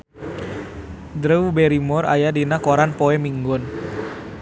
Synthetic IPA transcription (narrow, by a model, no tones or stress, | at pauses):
d̪ɾəbeɾimɔɾa̰jadinakoɾanpoɛmiŋɡʊn